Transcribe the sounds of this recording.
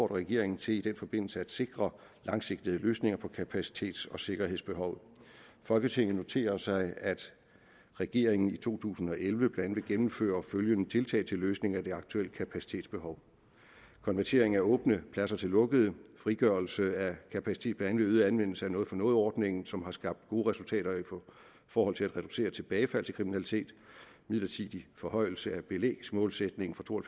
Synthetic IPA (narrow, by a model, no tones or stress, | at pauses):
ɒ̰ːɾɐʁɛɡ̥e̝ɐe̝ŋn̩t͡sʰe̝lid̥en̰fɒ̽b̥e̝n̰l̩səæd̥se̝ɡ̥ʁɐ | lɑ̈ŋse̝ɡ̥d̥iðˠəløːsne̝ŋɐpʰɒ̽kʰæpʰæsi̥t͡sʰe̝̰ːd̥sɒ̽se̝ɡ̥ɐɦeð̰ˠsb̥e̝ɦɒ̽ʊfɒ̽lɡ̥ət͡sʰe̝ŋ̰̩no̝t͡sʰe̝̰ːɐɐsɑ̈ɪæd̥ | ʁɛɡ̥e̝ɐ̰e̝ŋn̩it͡sʰo̝̰ːt͡sʰṵːsn̩ɒ̽ʔelʋəb̥leæn̩ʋe̝ɡ̥emm̩fø̰ːɐføljənət͡sʰe̝lt͡sʰɛ̰ːt͡sʰe̝lːøːsne̝ŋæd̥e̝ɑ̈ɡ̥t͡sʰuel̰əkʰæpʰæsi̥t͡sʰe̝̰ːd̥sb̥e̝ɦɒ̽ʊ | kʰɒ̽nʋæɐt͡sʰe̝ɐ̰e̝ŋ̩æɐɔ̽ːb̥nəpʰlæsɐt͡sʰe̝lːɔ̽ɡ̥əðˠəfʁiɡ̥ɶɐl̩səækʰæpʰæsi̥t͡sʰe̝̰ːd̥b̥leænʋeð̩ˠænʋen̰l̩səæɐnɔð̩fɒ̽nɔ̽ːð̞̩ˠɒːd̥ne̝ŋn̩sɒ̽mɦɑ̈sɡ̥ɑ̈b̥̚d̥̚ɡ̥o̝ːəʁɛsult͡sʰɛ̰ːɾ̥ɐif | fɒːhɒ̽l̰t͡sʰe̝læd̥ʁɛd̥use̝̰ːɐt͡sʰe̝b̥ɛːɪfæl̰t͡sʰe̝kʰʁiminælit͡sʰe̝̰ːd̥ | mið̰ˠlɐt͡sʰið̥ˠifɒ̽hɒ̽ɪ̰l̩səæb̥e̝lḛːɡ̥smɔ̽ːlsed̥ne̝ŋn̩fɒt͡sʰo̝̰ːɒ